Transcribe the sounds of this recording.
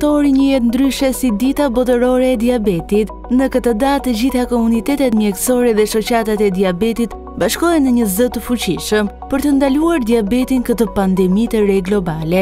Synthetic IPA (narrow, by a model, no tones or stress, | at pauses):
t̪ɔɾiɲəjɛt̪nd̪ɾyʃɛsid̪it̪abɔt̪̬əɾɔɾɛːd̪iabɛt̪it̪ | nəkət̪əd̪at̪əd͡ʑiθakɔmunit̪ɛt̪ɛt̪mjɛksɔɾɛðɛʃɔt͡ɕat̪at̪ɛd̪iabɛt̪it̪ | baʃkɔjɛnəɲəzət̪əfut͡ɕiʃəm | pəɾt̪ənd̪aluaɾd̪iabɛt̪inkət̪əpand̪ɛmit̪əɾɛɡlɔbalɛ